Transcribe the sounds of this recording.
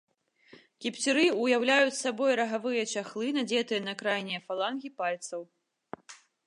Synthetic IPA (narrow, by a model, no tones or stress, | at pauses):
kʲipʲt͡sʲiɾɨujawlʲajut͡sʲsabɔjɾɐɣavɨjɐt͡ʃaxlˠɨnad͡zʲɛt̪ɨjɛɐnɐkɾajnʲɛfalˠanɣʲipalʲt̪sɐw